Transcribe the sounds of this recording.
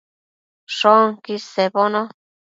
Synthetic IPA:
ʂoŋkiseβonõ

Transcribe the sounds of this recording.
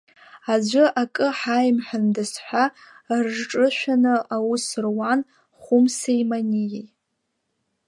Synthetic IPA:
ad͡ʒʷɨʔakʼɨħajmħandɨsħʷᶣa | rʐʈ͡ʂʼɨʃʷᶣanɨʔawusɨrwan | χʷʊmsejmanʲije

